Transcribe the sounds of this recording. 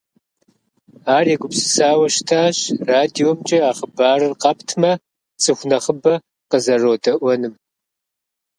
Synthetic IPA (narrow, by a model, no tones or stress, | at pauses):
aːreɡʷʊpsɨ̥saːwɐʃtʰaːɕraːdiomt͡ʃʼɐaːχəbaːrɨrqɑptʰmɐ | t͡sʼɨxʷnɐχəbɐ | qəzɐroːdɐʔʷɔnɨm